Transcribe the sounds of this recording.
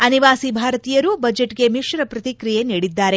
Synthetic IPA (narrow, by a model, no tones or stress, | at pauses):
ɐniʋaːsibʱaːɾɐt̪iːjɐɾubɐd͡ʒeʈɡe̞miʃɾɐpɾɐt̪ikɾijeniːɽid̪ːaːɾe̞